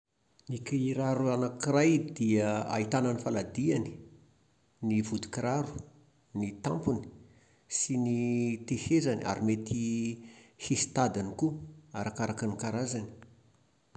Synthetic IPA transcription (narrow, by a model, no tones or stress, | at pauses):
nikiɾaɾuanakirajd̪iaa̰it̪ananifalad̪iani̥ | nivud̪i̥kiɾaɾu̥ | nit̪ampuni̥ | sinit̪ehezania̰ɾimet̪i | hesi̥t̪ad̪anikuaɾakaɾakanikaɾazani̥